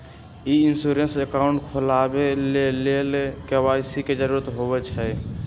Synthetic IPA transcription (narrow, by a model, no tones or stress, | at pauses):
iinsuɾensekaʊɳʈkʰolabelelelkewaisiked͡ʒəɾuɾət̪ɦobɛt͡ʃʰɛ